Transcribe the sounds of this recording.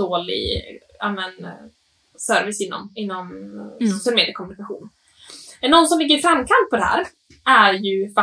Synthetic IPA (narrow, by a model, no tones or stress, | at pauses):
oːlɪ̰ | amɛn | sœɾvɪsɪnːɔ̰mɪnːɔmsʊsɪəlmeːd̪jəkʰɔmɵnɪkaɧṵːn | nɔnːsɔmlɪɡːəɾɪfɾamːkʰamt̪̚pʰɔd̪ɛhæ̰ːɾ | ʔæɾjɵfa